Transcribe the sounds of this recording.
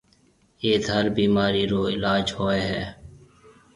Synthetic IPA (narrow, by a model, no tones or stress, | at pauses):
eːt̪ɦəɾbiːmaːɾiːɾoːɪlaːd͡ʒhoːeɦɛː